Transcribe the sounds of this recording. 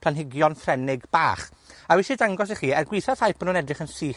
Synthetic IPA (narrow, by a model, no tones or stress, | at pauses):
pʰl̥ˠanɦɪɡjɔnfrɛnɪɡb̥a̰ːχawɪʃidaŋɡɔs̬iχiːɛrɡwɪθað̥hajpʰənuːnɛdrɪχənsiː